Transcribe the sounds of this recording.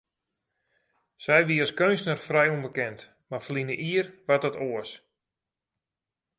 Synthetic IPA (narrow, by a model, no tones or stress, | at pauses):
sɛjʋiɔskønsnərfrɛjumbəkɛnt | marflinəʔiərʋatɔtoəs